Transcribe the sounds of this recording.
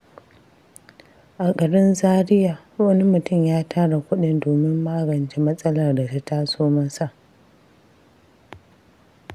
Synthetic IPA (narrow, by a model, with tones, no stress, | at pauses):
ʔa˨kʼɐ˨ɽɪ˦nzaː˦ɾɪ˦jaː˨˦wɐ˦ni˦mʊ˨tʊ˦˨mjaː˦tʰaː˦ɽa˨kʷʊ˦ɗɪ˨ndoː˨mɪ˦mːaː˦ɡɐ˨nt͡ʃe˦mɐ˦sʼɐ˦lɐ˨rda˨ta˦taː˦soː˦mɐ˦sa˨ʔ